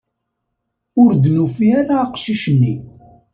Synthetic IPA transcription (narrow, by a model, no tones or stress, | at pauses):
ʊɾd̪nufiæɾaːqʃiʃənːi